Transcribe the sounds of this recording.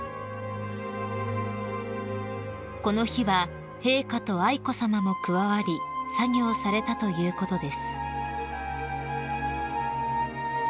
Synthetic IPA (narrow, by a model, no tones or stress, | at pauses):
ko̞no̞çiβa | he̞ːkat̪o̞aiko̞samamo̞kɯ̟βaβaɾʲisaɲʲo̞ːsaɾe̞t̪at̪o̞jɯ̟ːko̞t̪o̞d̪e̞sɨ̥